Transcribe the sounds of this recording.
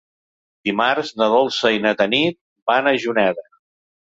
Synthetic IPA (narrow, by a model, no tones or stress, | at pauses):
d̪imaɾzðəðolˠsəinət̪ənit̪̚ | banəʒunɛðə